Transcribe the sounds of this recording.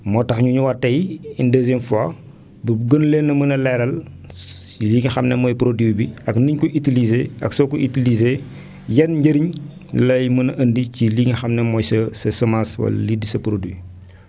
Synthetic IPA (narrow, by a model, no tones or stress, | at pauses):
mɔːtɐxɲuɲuwɐtːɐjindəːzjɛmfwa | buɡənlenːɐmənɐlɛɾɐl | iliːŋxɐmnɛmɔːjpɾodiwbiɐkniɲkuʔitilizeːɐ̰ksɔkuʔitilize | jɛnɲɟɐɾiɲ | lɐjmənɐʔɐndiciliːŋxɐmnɛmɔjsɐsɐsəmaswɐ̰lɐ̰lidːisɐpɾodi